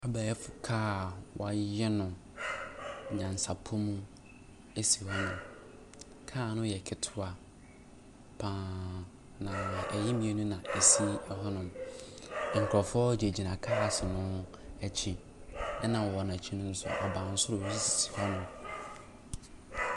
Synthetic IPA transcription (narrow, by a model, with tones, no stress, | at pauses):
a˦ba˨ɛ˦fʊ˨kʰaː˦˨wa˨˦jɛ˦nʊ̃˨ | ɲã˨n˨sa˨pʰʊ˦mũ˦ | e˦si˨hɔ˦nʊ̃˨ | kʰaː˦˨nʊ̃˦jɛ˨kʰɪ˦tʰʊ˦a˨ | pʰã˨˦ | nã˨ɛ˨jɛ˦mĩ˨˦e˦nũ˦nã˨e˨si˦ɛ˦ɦɔ˦nʊ̃˨m˨ | ŋ̩˨kʰʊ˨ɾɔ˨fʊ˦ɔ˦d͡ʑɛ˨d͡ʑi˨nã˨kʰaː˦a˨sɪ˨nʊ̃˦ | æ˨t͡ɕʰĩ˨ | ɛ˦nã˨ɔ˨nã˨t͡ɕʰĩ˦nʊ̃˦n̩˦sʊ̰˨ʔa˨bãː˨n̩˨sʊ˦ɾʊ˨˦si˦si˨si̥˨hɔ˦nʊ̃˨